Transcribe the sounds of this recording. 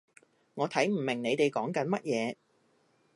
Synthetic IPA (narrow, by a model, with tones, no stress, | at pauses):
ŋɔː˨˧t̪ʰɐ˨˥jm̩˨˩mɪ˨˩ŋne˨˧jt̪e˨jkɔː˨˥ŋkɐ˨˥nmɐ˥t̚jɛː˨˧